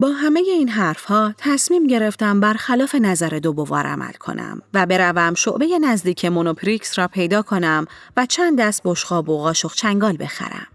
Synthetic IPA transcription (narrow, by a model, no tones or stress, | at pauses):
bɒːɦæme̞je̞iːnɦæɾfhɒːt̪ʰæsmiːmɟe̞ɾe̞ft̪æmbæɾxælɒːfe̞næzæɾe̞d̪obo̞vɒ̰ɾʔæ̰mʔæ̰lkʰo̞̰næ̰mvæbeɾævæmʃo̰ʔbe̞je̞næzd̪iːcʰemonopʰɾiksɾɒːpʰe̞jd̪ɒːkʰo̞næm | væt͡ʃʰænd̪ːæst̪̚bo̞ʃɢɒːboɣɒːʃoxt͡ʃʰæŋɡɒːlbe̞xæ̰ɾæ̰m